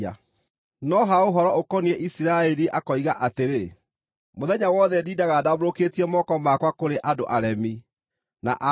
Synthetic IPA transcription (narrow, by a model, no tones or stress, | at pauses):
a | nɔɦaoɦɔɾɔokɔniɛʔisiɾaɛɾiʔakɔiɣaʔateɾe | moðɛɲawɔðɛdiːdaɣadaβoɾoketiɛmɔkɔmakwakoɾeʔadoʔaɾɛmi | na̰ʔa